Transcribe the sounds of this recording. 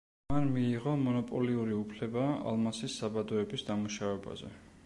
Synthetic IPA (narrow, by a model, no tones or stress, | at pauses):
manmiːʁɔmɔnɔpʼɔliuɾiupʰlɛbaa̰lˠmasisːabad̪ɔɛbisd̪amuʃavɛba̰zɛ̰